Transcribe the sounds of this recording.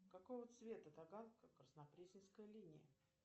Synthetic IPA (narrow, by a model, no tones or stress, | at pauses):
kɐkojvət̪svʲe̞t̪ət̪ɐɡankəkrəsnɐpɾʲesʲɪnskəjəlʲinʲɪjə̰